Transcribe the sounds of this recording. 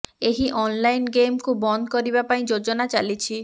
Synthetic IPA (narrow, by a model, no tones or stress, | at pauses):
eɦiʔɔnlajnɡemkubɔnd̪kɔɾibapaĩd͡ʒod͡ʒɔnat͡ʃalit͡ʃʰi